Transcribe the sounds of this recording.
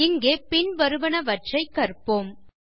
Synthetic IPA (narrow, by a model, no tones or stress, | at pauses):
ɪŋɡeːpɪnʋɐɾɯʋɐɳɐʋɐʈ̚t͡ʃɐɪkːɐrpoːm